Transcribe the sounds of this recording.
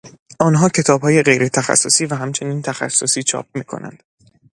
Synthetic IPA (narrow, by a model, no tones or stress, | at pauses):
ʔɒːnɦɒːcʰe̞t̪ʰɒːbhɒːje̞ɢe̞jɾe̞t̪ʰæxæ̰sːo̞siːvæɦæmt͡ʃʰe̞niːnt̪ʰæxæ̰sːosiːt͡ʃʰɒ̰ːp̚miːkʰo̰næ̰nd̪̥